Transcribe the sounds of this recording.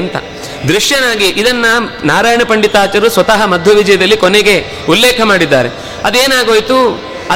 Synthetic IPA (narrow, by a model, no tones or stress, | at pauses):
nt̪ɐ̰ | d̪ɾiʂjɐnaːɡiʔid̪ɐnːɐnaːɾaːjɳɐpɐɳɖit̪aːt͡ʃɐɾusʋɐt̪ɐɦɐmɐd̪ʱjɐʋid͡ʒɐjɐd̪ɐlːikoneɡe̞ | ulːɛːkʰɐmaːɽid̪ːa̰ːɾe | ɐd̪eːnaːɡoːjt̪u | ɐ